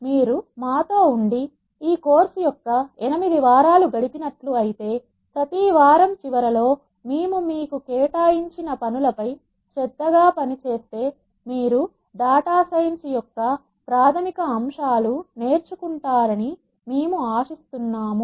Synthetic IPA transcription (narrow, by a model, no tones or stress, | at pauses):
miːɾumaːt̪oːuɳɖi | iːko̞ːɾsujɔkːɐɛnimid̪iʋaːɾaːluɡɐɽipinɐʈluɐjit̪e̞ː | pɾɐt̪iːʋaːɾɐmt͡ʃiʋɐɾɐlo̞ː | miːmumiːkukɛːʈaːjiɲt͡ʃinɐpɐnulɐpɐj | t͡ʃɛd̪ːɐɡaːpɐnit͡ʃe̞ːst̪e̞ː | miːɾu | ɖaːʈaːsɐjnsijɔkːɐ | pɾaːt̪ʰɐmikɐːmʂaːlune̞ːɾt͡ʃukuɳʈaːɾɐni | meːmuaːʃist̪unːaːmu